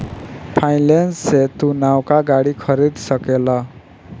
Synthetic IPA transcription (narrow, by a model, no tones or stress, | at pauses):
pʰajlensːet̪unawkaɡaɽikʰʌɾid̪sʌkelʌ